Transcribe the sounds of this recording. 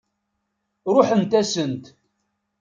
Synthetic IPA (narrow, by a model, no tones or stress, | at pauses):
ɾʊħənt̪æsənt̪